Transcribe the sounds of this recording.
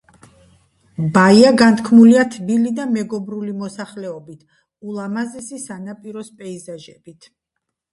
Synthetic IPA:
baiaɡant̪ʰkʰmuliat̪ʰbilid̪amɛɡɔbɾulimɔsaχlɛɔbit̪ʰ | ulˠamazɛsisanapʼiɾɔspʼɛizaʒɛbit̪ʰ

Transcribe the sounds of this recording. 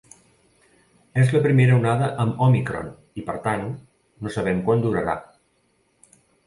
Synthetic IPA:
ezləpɾimeɾəunaðəʔəmɔmikɾo̰n | ipəɾt̪an | nosəβ̞ɛmkwand̪uɾəɾa̰

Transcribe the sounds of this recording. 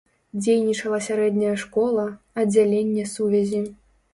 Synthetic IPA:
d͡zʲejnʲit͡ʂɐlˠɐsʲaɾɛd̪nʲɐjɐʂkɔlˠɐ | ɐd͡zʲalʲenʲːɛsuvʲɛzʲi

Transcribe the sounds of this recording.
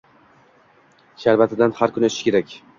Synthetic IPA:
ʃaɾvat̪ʰɪd̪anhaɾkʰʊnɪet̪ɪ̥ʃkʲʰe̞ɾakʲ

